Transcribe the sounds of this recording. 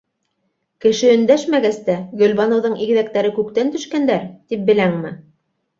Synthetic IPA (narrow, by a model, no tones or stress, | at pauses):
kɘ̆ʃɘɵ̆nd̪æʃmæɡæst̪æɡɵ̆lβɑnɤ̆wðɤɴiɡ̆ðækt̪æɾɘkʉk̚t̪ænt̪ɵ̆ʃkænd̪æɾt̪ip̚bɘ̆læŋmɘ